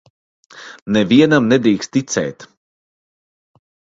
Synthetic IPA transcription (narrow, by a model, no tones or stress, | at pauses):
nɛviɛnamnɛd̪ɾiːkst̪t̪it̪sɛ̰ːt̪